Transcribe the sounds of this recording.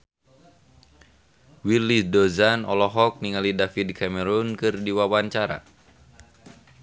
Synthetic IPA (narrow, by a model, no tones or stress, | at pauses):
wilisdɔzanɔlɔɦɔk̚niŋalidafid̚kʰamɛɾunkɨrdiwawaɲt͡ʃaɾa̰